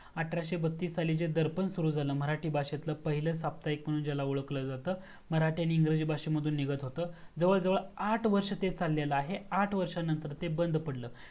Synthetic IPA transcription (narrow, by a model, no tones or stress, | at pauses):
aʈʰɾaɕebət̪ːiːsaliːd͡ʑed̪əɾpənsuɾuːd͡zʱaləːm̤əɾaʈʰiːbaɕet̪ləːpəɦiləːsap̚t̪aikm̤əɽ̃uːnd͡ʑjalauɭəkləːd͡zat̪əː | m̤əɾaʈijaniːŋɡɾəd͡ʑiːbʱaɕeməd̪ʱuːnːiɡət̪ɦot̪əːd͡zəʋəɭd͡zəʋəɭaʈʰʋəɾʂət̪et͡salːjaləaɦeaʈʰʋəɾʂanənt̪əɾt̪ebənd̪pəɽləː